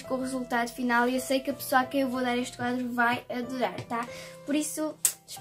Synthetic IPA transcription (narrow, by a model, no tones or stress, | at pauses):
ʃkõuʁɨzulˠt̪aðufinalˠiewsejkɐpɨ̥soakewvoðaɾeʃt̪̚kwaðɾuvajɐðuɾaɾt̪apɔɾisu̥ʃ